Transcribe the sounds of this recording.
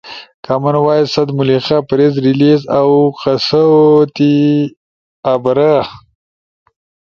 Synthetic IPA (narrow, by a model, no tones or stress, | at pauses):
kamanwɑːjisɐd̪mʊlixapaɾezɾilizawqasat̪i | abɾa